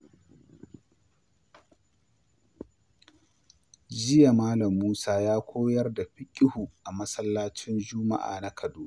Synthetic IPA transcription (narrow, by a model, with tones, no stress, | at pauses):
d͡ʒɪ˦ja˨maː˦lɐ˨mːuː˦saː˦jaː˦kʷoː˦jɐ˦rda˨ɸɪ˦kʲʼɪ˦hu˨ʔa˨mɐ˦sɐ˦lːaː˦t͡ʃɪ˦nd͡ʒʊ˦ma̰˦ʔa̰ː˨na˦kʰɐ˨duː˦ʔ